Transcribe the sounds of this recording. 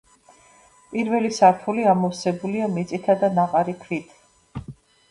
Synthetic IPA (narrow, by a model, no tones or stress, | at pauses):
pʼiɾvɛlisaɾt̪ʰuliamɔfsɛbuliamit̪sʼit̪ʰad̪anaqʼaɾikʰɾit̪ʰ